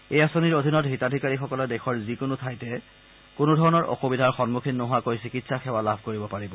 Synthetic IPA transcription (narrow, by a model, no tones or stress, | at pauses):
ejasoniɹodʱinɔtɦitadʱikaɹixɔkɔlɔdɛxʰɔɹzikʊnʊtʰajtɛ | kʊnʊdʱɔɹɔnɔɹʔɔ̰xubidʱaɹxɔnmukʰinːoɦʊwakojsikitsaxʰɛwalabʱkoɹibɔpaɹibɔ